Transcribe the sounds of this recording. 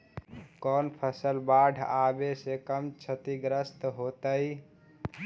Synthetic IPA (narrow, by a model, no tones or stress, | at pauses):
kɔnpʰəsəlbaɖʱabesekəmt͡ʃʰət̪iɡɾəst̪ɦot̪əj